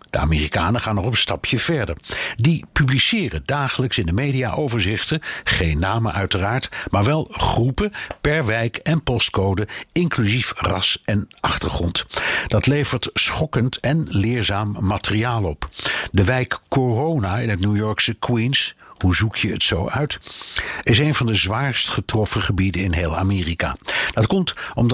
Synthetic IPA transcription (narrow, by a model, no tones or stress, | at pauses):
d̥əa̰ːmɪːrikaːnəχaːnɔχɔpənstɑpjəv̥ɛɹdə̰ɹdipyblisɪːrədaːχələksɪndəmejdija̰ʔowvəɹzɪχtəχejnːaːmə̰ʔœɥtəraːɹtmaːɹʋɛlˠχrupəpɛɹʋɛjkɛnpɔstkowdəɪŋklyzifrɑsɛnʔɑχtəɹχrɔntd̥ɑtlejvəɹtsχɔkəntɛnlɪːɹzaːmːaːtəriaːlˠɔpdəʋɛjkːorownaɪnɦətnujɔɹksəkwins | huzukʰjəə̰tsowœɥt | ɪsejnvɑndəzʋaːɹstχətrɔfəχəbidənɪnɦejlˠa̰meːrika̰ːd̥ɑtkɔmtɔm